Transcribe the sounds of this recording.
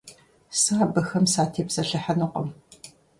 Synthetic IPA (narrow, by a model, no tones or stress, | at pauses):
saːbɐxɐmsaːtʰeːpsɐɬɨħɐnɨqɔm